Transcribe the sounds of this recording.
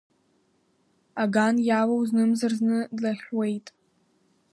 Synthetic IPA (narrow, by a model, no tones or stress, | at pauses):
aɡanjawawznɨmzarznɨdlaχʲwe̞jtʼ